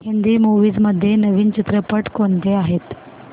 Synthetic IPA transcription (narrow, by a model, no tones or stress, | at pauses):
ɦind̪iːmuʋiːd͡zməd̪ʱːjenəʋiːnt͡ɕit̪ɾəpəʈkoɳt̪eaɦet̪